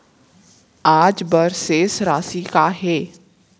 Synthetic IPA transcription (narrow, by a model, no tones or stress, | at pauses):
aːd͡ʒbəɾseːsɾaːsikaɦɛː